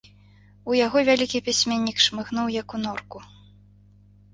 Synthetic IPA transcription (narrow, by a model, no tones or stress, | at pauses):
ujaɣɔvʲalʲikʲipʲisʲmʲɛnʲːikʂmɨxn̪uwjɐkunɔrku